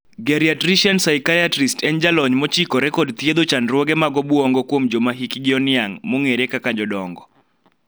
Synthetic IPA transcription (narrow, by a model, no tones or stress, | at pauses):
ɡɛɾiatɾiʃansaikaatɾistʰɛnd͡ʒalɔɲmɔt͡ʃikɔɾɛkɔdt̪jed̪ot͡ʃanɾwɔɡɛmaɡɔbuɔŋɡɔkwomd͡ʒomaɦikɪɡɪɔnɪaŋmoŋeɾekakad͡ʒɔdɔŋɡɔ